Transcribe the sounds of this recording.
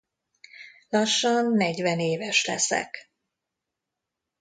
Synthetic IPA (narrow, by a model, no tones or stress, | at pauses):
lɒʃːɒnːɛɟvɛneːvɛʃlɛ̰sɛ̰k